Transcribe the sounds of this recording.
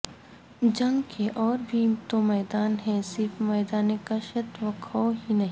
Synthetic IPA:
d͡ʒɐ̃ŋɡkʰeʔɔːɾbʱit̪omɛːd̪aːnɦɛ̃sɪɾfmɛːd̪aːnekaʃɐt̪ʋɐkʰɔːɦinɐɦĩː

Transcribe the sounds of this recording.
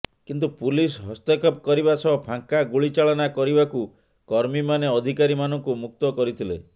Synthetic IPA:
kint̪̬upulisɦɔst̪ekɔpkɔɾibasɔɔpʰaŋkaɡuɭit͡ʃaɭɔnakɔɾibaku | kɔɾmimaneɔd̪ʱikaɾimanɔŋkumuk̚t̪ɔkɔɾit̪ʰile

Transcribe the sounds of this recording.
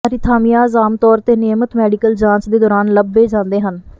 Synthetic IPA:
əɾɪt̪ʰaːmijaːzaːmt̪ɔːɾt̪eːneːmət̪mɛːɖikəld͡ʒãːnsd̪eːd̪ɔːɾaːnləbːeːd͡ʒãːnd̪eːɦən

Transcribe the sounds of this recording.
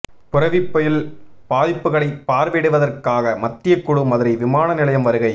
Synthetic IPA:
pʊrɐʋɪpːɐjɪlpaːðɪpːɯɣɐɭɐɪpːaːɾʋeːɽɯʋɐðɐrkaːɣɐmɐt̪ːɪjɐkːʊɽɯmɐðɯɾɐɪʋɪmaːnɐnɪlɐjɐmʋɐɾɯɣɐɪ

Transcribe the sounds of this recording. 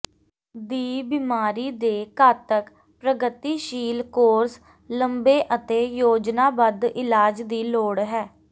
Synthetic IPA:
d̪iːbimaːɾiːd̪eːkaːt̪ək | pɾəɡət̪iːʃiːlkoːɾs | ləmbeːʔət̪eːjoːd͡ʒnaːbəd̪ɪlaːd͡ʒd̪iːloːɽɦɛː

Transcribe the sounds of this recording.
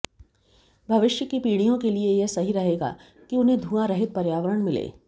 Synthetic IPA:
bʱɐʋɪʃjəkipiːɽ̃ijõkeliejesɐɦiɾɐɦeːɡa̰ː | kiʊnɦẽd̪ʱũːãɾɐɦɪt̪̚pɐɾjaːʋəɾəɽ̃mɪlḛː

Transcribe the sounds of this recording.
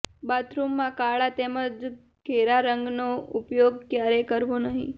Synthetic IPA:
bat̪ɾumːakaɭat̪ɛməd͡z | kʰeɾaɾəŋɡnoupjoɡ̚kjaɾekəɾʋonaɦḭ

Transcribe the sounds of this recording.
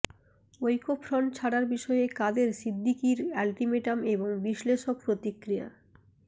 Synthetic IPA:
ojkopʰɾɔɳt͡ɕʰaɽaɾbiʃɔeekad̪eɾsid̪ʱːikiɾalʈimeʈameboŋbiʃleʃok̚pɾot̪ikːɾija̰

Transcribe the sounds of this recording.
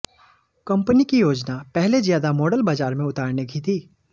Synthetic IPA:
kɐ̃mpənikijoːd͡ʒnapɛɦlezjaːd̪amɔːɖəlbaːd͡ʒaːɾmẽʊt̪aːɾneɡʰʱit̪ʰiː

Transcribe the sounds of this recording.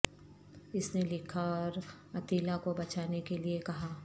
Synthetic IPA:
ɪsnelɪkʰaɔːɾ | ɐt̪iːlakobɐt͡ʃaːnekeliekɐɦaː

